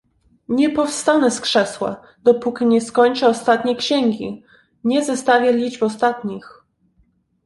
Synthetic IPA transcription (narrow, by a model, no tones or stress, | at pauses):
ɲɛpɔfst̪anɛskʂɛswa̰ | d̪̥ɔpukʲiɲɛskɔɲt͡ʂɛɔst̪at̪ɲɛkɕɛŋɡʲi | ɲɛzɛst̪avʲjɛlʲid͡ʐbɔst̪at̪ɲix